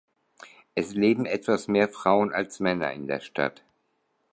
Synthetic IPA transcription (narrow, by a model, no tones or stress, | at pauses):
ʔɛsleːbm̩ɛtv̥asmeːɐfʁ̥aʊəna̰lsmɛnɐ̰ɪ̰ndeːɐʃta̰t